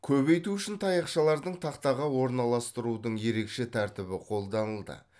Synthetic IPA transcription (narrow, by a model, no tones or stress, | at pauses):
kʲʰɵbe̞jt̪uʏʃɪnt̪ʰɑjɑqʃɑlˠɑɾd̪əɴt̪ʰɑqt̪ɑʁɑwo̞ɾnɑlˠɑst̪əɾud̪əɴje̞ɾe̞kʃe̞t̪ʰæɾt̪ɪbɪqʰo̞lˠd̪ɑnəlˠd̪ə̰